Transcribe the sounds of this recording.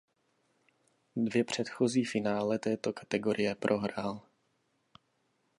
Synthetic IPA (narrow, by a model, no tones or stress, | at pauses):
dvjɛpr̝̥ɛt̪xoziːfɪnaːlɛt̪ɛːt̪okḁt̪ɛɡoɾʔɪjɛpɾʔo̞ɦɾal